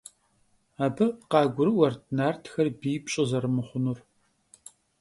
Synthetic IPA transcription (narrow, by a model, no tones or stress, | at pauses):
aːbɨqɑːɡʷʊɾɨwɐrtʰnaːrtʰxɐrbiːpɕʼɨzɐɾɨmɨχʷʊnur